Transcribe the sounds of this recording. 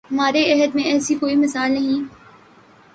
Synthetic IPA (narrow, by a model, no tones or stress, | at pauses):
ɦɐmaːɾeɛɦəd̪mẽɛːsikoːimɐsaːlnɐɦĩ